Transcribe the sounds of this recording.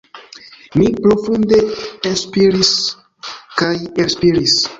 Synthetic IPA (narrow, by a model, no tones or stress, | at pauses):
mipɾo̞funde̞enspiɾis | kajespiɾis